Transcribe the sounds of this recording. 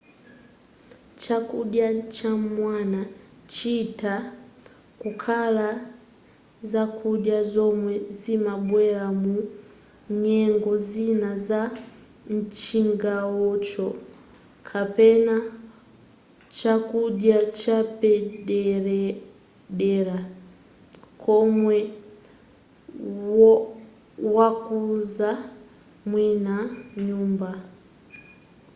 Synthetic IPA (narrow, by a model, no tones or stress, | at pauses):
t͡ʃakuɗjat͡ʃamwana | t͡ʃita | kukʰala | zakʰuɗjazɔmwɛzimabwɛlamu | ɲɛŋɡɔzinaza | n̩t͡ʃiŋɡawɔt͡ʃɔ | kʰapɛna | t͡ʃakudjat͡ʃapɛɗɛɾ | ɗɛɾa | kʰɔmwɛ | wakuza | mwinaɲuːmba